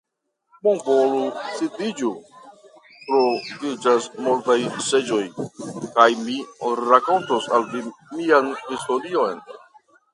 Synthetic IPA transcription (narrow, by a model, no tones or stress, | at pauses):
munvolusidid͡ʒu | tɾovid͡ʒasmultajse̞d͡ʒo̞jkajmiɾako̞ntosalvimianhisto̞ɾio̞jn